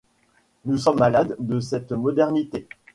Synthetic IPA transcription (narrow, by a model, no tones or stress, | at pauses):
nusɔmːalad̪ːəsɛt̪mɔd̪ɛʁnit̪e